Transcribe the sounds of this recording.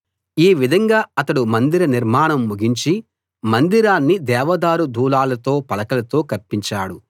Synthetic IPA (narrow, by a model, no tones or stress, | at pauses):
iːʋid̪ʱɐŋɡaːɐt̪ɐɽumɐnd̪iɾɐniɾmaːɳɐmːuɡiɲt͡ʃi | mɐnd̪iɾaːnːid̪ɛːʋɐd̪aːɾud̪ʱuːlaːlɐt̪o̞ːpɐlɐkɐlɐt̪o̞ːkɐɾpiɲt͡ʃaːɽu